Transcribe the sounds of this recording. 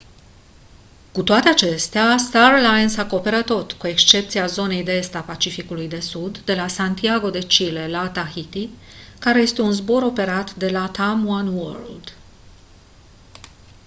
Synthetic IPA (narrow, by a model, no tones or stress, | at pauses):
kut̪oat̪e̞at͡ʃe̞st̪east̪arlajnsako̞pe̞ɾat̪ːo̞t̪kue̞kst͡ʃe̞p̚t̪siazo̞ne̞jd̪ee̞st̪apat͡ʃifikulujd̪e̞sud̪ːe̞lasant̪iaɡo̞d̪e̞t͡ʃile̞lat̪axit̪i | kaɾe̞je̞st̪e̞unzbo̞ɾo̞pe̞ɾat̪d̪e̞lat̪amwanwə̰rld̪